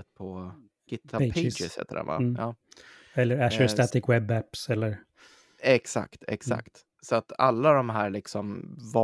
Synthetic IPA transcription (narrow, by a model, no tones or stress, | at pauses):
ət̪̚pʰɔ | ɡ̥ɪt̪ʰːaeɪd͡ʒɪshɛ̰ːt̪ːəɾɛ̰va̰ɑː | ɛlːəɾæʃəst̪ɑt̪ɪkwɛbːæpsɛlːəɾ | ɛksa̰kt̪ʰɛ̰ksa̰kt̪ | sɔat̪a̰lːad̪ɔmɦæːɾɭɪksɔmvɑ